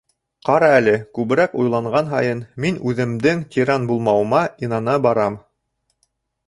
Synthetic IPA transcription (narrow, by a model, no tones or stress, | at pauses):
qɑɾɑælɘkʉβɘ̆ɾækujlˠɑɴʁɑnɦɑ̰jɤnminʉðɘ̆md̪ɘŋt̪ʲʰiɾɑnbulˠmɑwɤ̆mɑinɑnɑbɑɾɑm